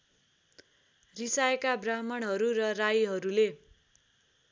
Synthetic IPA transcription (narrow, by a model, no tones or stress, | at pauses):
risaekabramʌɽɦʌɾurʌrajɦʌɾule